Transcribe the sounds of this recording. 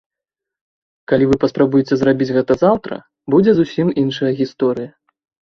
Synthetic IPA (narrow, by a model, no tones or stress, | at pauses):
kalʲivɨpɐspɾabujɛt͡sʲɛzrabʲid͡zʲɣɛt̪ɐzawt̪ɾɐ̰ | bud͡zʲɛzusʲiminʂɐjɐɣʲist̪ɔɾɨjɐ